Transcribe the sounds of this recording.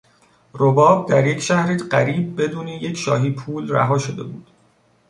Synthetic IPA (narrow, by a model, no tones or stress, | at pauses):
robɒːb̚d̪æɾje̞cʰʃæhɾiːɢæɾiːb̚ːe̞d̪uːnije̞cʰʃɒ̰ːɦiːpʰuːlræ̰ɦɒːʃod̪e̞̰buːd̪̥